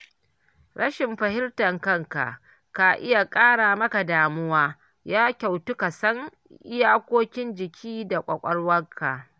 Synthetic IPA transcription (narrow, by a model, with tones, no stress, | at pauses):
ɽɐ˦ʃɪ˨mɸɐ˨hɪ˦rtɐ˨ŋkɐ˦ŋka̰˨ʔ | ka˨ʔɪ̰˦ja˨kʼaː˦ɽaː˨mɐ˦ka˨daː˨mʊ˦waː˦ | jaː˦kʲa˨wtu˦ka˨sɐ˦ŋ | ʔɪ˦jaː˦kʷoː˦kʲɪ˦nd͡ʒɪ˨kʲʰiː˦da˨kʷʼɐ̰˨kʷʼɐ˦ɽwɐ˦kʰːa̰˨